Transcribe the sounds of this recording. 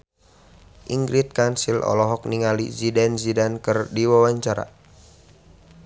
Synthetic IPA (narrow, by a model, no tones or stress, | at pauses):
ʔiŋɡɾit̪̚kansilɔ̰lɔɦɔk̚niŋalḭzidɛnzidankɨrdiwawaɲt͡ʃaɾa̰